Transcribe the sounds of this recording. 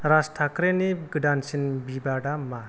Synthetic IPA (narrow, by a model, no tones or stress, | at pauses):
ɾasʈʰakɾeniɡɖansinbibaɽama